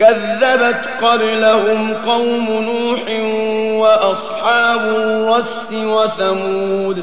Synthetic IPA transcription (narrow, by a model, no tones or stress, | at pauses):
kaðːabat̪qɑblahʊmqɑwmʊnuːħɪwaʔɑsˤħɑːbʊːɑsːɪwaθamuːd̪